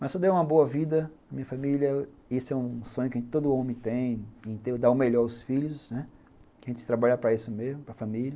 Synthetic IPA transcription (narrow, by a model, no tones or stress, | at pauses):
mɐssɔd̪eũmɐboɐvid̪ɐnɐmĩɲɐfamiljɐ | esʊɛũsõɲ̃ʊkɐʒẽt͡ʃ̪ɪt̪od̪ʊõmɪ̃t̪ẽj̃ẽt̪ed̪aʊmeʎɔɾaʊsfiʎʊsnɛ | kɪɐʒẽnt͡ʃɪ̥t̪ɾabaʎapɾɐisʊmezmʊpɾɐfamilʲɐ